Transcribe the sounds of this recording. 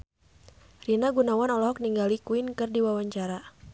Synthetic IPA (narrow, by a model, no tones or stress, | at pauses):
rinaɡunawanɔlɔɔk̚niŋɡalikuinkɨrdiwawaɲt͡ʃaɾa